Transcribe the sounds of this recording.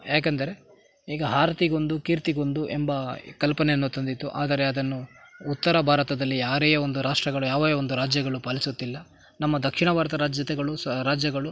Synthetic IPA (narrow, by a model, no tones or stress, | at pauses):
jaːk̬ɐnd̪ɐɾe̞ | iːɡɐɦaːɾɐt̪iɡo̞nd̪ukiːɾt̪iɡo̞nd̪uʔembɐkɐlpɐneɐnːut̪ɐnd̪it̪ːuʔa̰ːd̪ɐɾe̞ɐd̪ɐnːuut̪ːɐɾɐbʱaːɾɐt̪ɐd̪ɐlːijaːɾejɐond̪uɾaːʂʈɾɐɡɐɭujaːʋɐjɐond̪uɾaːd͡ʒjɐɡɐɭupaːlisut̪ːilːɐ | nɐmːɐd̪ɐkʂiɳɐbʱaːɾɐt̪ɐɾaːd͡ʒjɐt̪ɛɡɐɭuɾaːd͡ʒjɐɡɐɭu